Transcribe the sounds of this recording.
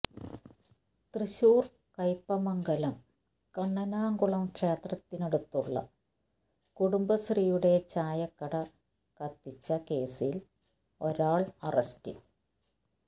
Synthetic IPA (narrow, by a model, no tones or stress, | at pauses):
t̪riɕuːr | kɐjpːɐmɐŋɡɐlɐm | kɐɳːɐnaːŋɡuɭɐmkʂeːt̪rɐt̪ːineɽut̪ːuɭːɐ̰ | kuɽumbɐsrijuɽe̞t͡ɕaːjɐkːɐɽɐ | kɐt̪ːit͡ɕːɐke̞ːsil | o̞ɾaːɭɐrɐstḭ